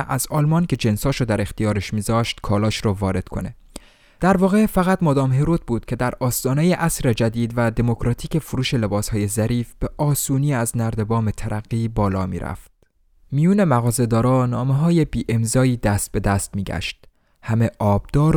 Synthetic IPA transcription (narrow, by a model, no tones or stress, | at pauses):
ʔæzɒːlmɒncʰe̞d͡ʒe̞nsɒːʃod̪æɾe̞xt̪ijɒːɾeʃmiːzɒːʃt̪kʰɒːlɒːʃɾɒːvɒːɾe̞d̪kʰo̞̰ne̞ | d̪̥æɾvɒːɣe̞fæɣæt̪mɒːd̪ɒːmɦeɾot̪̚ʰbuːd̪̥cʰe̞d̪æɾɒːst̪ɒːnejeʔæsɾed͡ʒæd̪iːd̪væd̪e̞mo̞kʰɾɒːt̪ʰiːce̞fuɾuːʃe̞le̞bɒːshɒːje̞zæɾiːfb̥eʔɒːsuːniːæznæɾd̪e̞bɒːmet̪ʰæɾʔæɣːiːbɒːlɒːmḭːɾʔæ̰ft̪ | mijuːne̞mæɣɒːze̞d̪ɒːɾɒːnɒːmeɦɒːje̞biːʔe̞mzɒːiːd̪æst̪̚be̞d̪æst̪̚miːɟæ̰ʃt̪̚ | hæme̞ʔɒːb̥̚d̪̥ɒːɾ